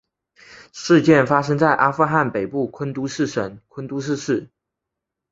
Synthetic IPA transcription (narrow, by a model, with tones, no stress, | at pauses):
ʂɻ̩˥˧t͡ɕjɛ˥˩nfa˥ʂ̬ɤ˥ŋt͡sa˥˩ɪʔa˥fu˥˧xa˥˩npe˨˩ɪpu˥˩kʰə˥nt̪u˥ʂɻ̩˥˩ʂə˨˥ŋkʰwə˥nt̪u˥ʂ̬ɻ̩˥˧ʂɻ̩˥˩